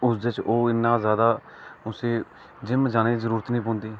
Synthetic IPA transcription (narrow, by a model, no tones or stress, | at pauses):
ʊsd̪et͡ʃoːɪnːãːzjaːd̪aː | ʊseː | d͡ʒɪmd͡ʒaːñeːzəɾuːɾət̪nĩːp̬ɔ̃ːnd̪iː